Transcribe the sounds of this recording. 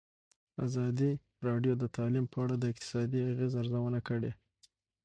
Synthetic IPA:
azɑd̪i | ɾɑɖjod̪ət̪ʰɑlimpʰəaɽad̪əɪq̚t̪ɪ̥sɑd̪iaɣezaɾzawənakəɽe

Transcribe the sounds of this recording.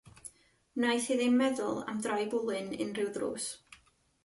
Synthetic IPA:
najθɨðɪnmɛðʊlˠa̰mdrajbʊlˠɨnɨ̰nrɪwðrṵːs

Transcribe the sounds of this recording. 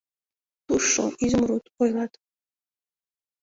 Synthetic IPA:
t̪uʃːo̰ʔizmɾut̪ojlˠɑt̪

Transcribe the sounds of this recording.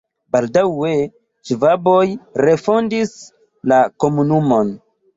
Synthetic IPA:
baldawe | t͡ʃivabo̞jɾe̞fondis | lako̞munumo̞n

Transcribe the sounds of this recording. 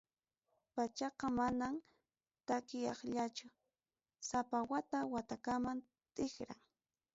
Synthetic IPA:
pat͡ʃɑqɑmanam | t̪akɪjɑχʎat͡ʃʊ | sapawat̪awat̪akaman | t̪ɪxɾa̰ŋ

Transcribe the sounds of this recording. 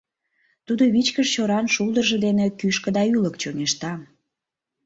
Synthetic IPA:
t̪ud̪oβit͡ɕkəʃt͡ɕoɾɑnʃulˠd̪ərʒĕd̪enekyʃkə̆d̪ɑyləkt͡ɕoneʃt̪ɑ

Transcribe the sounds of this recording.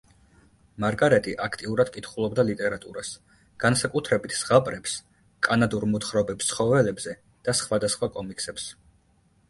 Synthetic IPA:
maɾɡaɾɛt̪ʼiʔakʰt̪ʼiuɾad̪̚kʼit̪ʰχulˠɔbd̪alit̪ʼɛɾat̪ʼuɾas | ɡ̥ansakʼut̪ʰɾɛbit̪ʰsʁapʼɾɛps | kʼanad̪uɾmɔt̪χɾɔbɛpst̪sʰχɔvɛlɛbzɛ | d̪̥asχwad̪asχwakʼɔmikʰsɛps

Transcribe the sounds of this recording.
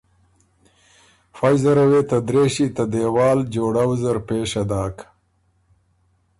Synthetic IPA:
faːjzaɾaweːt̪ad̪ɾeːʃit̪ad̪ewɑːld͡ʒoːɽawzaɾpeːʃad̪ɑːk

